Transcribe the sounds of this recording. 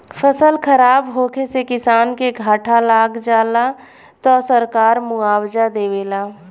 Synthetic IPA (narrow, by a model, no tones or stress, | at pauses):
fʰəsəlkʰəɾaːbɦoːkʰesekɪsaːnkeɡʱaːʈʰalaːɡd͡ʒaːla | t̪ɔsəɾkaːɾmʊaːwd͡ʒad̪eːweːlaː